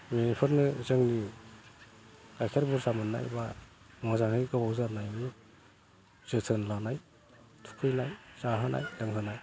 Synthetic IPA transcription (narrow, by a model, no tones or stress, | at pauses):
minipʰɯɾnɯzɯŋni | kajkʰaɾbuɾsamɯnːa̰jba | mɯzaŋhɯjɡɯbawzaɾnajmi | zɯtʰɯnlanaj | tʰu̥kʰɯjnajzaɦanʔa̰jlaŋɦɯnaj